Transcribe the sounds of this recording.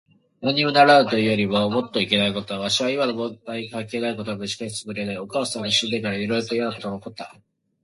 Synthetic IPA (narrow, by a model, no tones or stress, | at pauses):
joɲ̟iɯnaɾaɯ̟t̪o̞ɯjo̞ɾʲimomo̞t̪ːo̞ike̞naiko̞t̪o̞aβaɕiβaimano̞mõd̪aikãŋke̞ːnaik̬o̞t̪o̞ɡamɯʑi̥kaɕi̥t͡sɨ̥ɡɯ̟ɾe̞naio̞kaːsãnːoɕɨd̪ekaɾaiɾo̞jɾot̪o̞jat̪ːonokot̪ːa